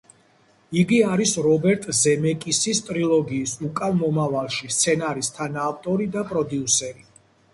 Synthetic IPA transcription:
iɡiaɾisɾɔbɛɾt̪ʼzɛmɛkʼisist̪ʼɾilˠɔɡiːsukʼanmɔmavalˠʃist̪sʰɛnaɾist̪ʰanaːvt̪ʼɔɾid̪apʼɾɔd̪iusɛɾi

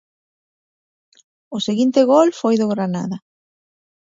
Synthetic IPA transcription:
ʊseɣint̪ɪɣolfojðʊɣɾana̰ðɐ

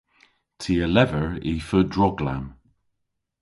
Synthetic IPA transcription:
tʰiːəlɛvəɹifədɹɔɡla̰m

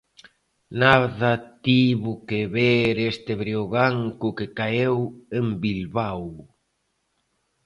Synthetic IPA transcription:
naðɐt̪iβʊkeβeɾest̪eβɾioɣaŋkʊkekaewembilβaw

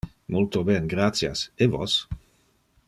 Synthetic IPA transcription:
mult̪obɛnɡɾat̪sja̰sevos

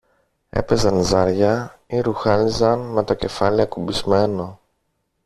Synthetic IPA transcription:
e̞̰pe̞zɐnzɐɾʝɐiɾuxɐnizɐnme̞t̪oce̞fɐliɐkubizme̞no̞

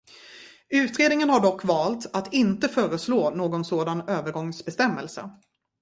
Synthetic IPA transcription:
ʉ̟ːt̪ɾeːd̪nɪŋənhaɖɔkːvɑːlt̪at̪ɪnt̪əfœːɾəsloːnoːɡɔnsoːd̪anøːvəɾɡɔŋsbɛst̪ɛmːɛ̰lsə̰

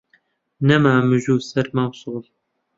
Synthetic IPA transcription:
nɐmaːmɨʒuːsɐɾmawsuːl

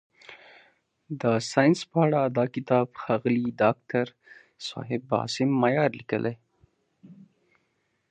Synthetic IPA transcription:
d̪əsɑjnspəaɽad̪ɑkɪt̪ɑːbxɑɣliɖɑk̚tʰaɾ | sɑ̰ɦɪbɑ̰ːsɪmːajɑɾlikəlʔe

